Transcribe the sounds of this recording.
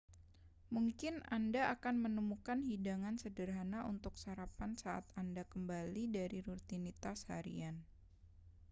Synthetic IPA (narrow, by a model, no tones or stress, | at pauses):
muŋkɪnandaʔakanmənəmukanɦidaŋansədərɦanaʔunt̪ʊksaɾapansaʔa̰t̪andakəmbalidaɾiɾut̪init̪asha̰ɾḭan